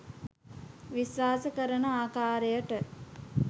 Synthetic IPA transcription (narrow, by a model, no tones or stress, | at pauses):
ʋisʋaːsəkəɾənəaːkaːɾejəʈə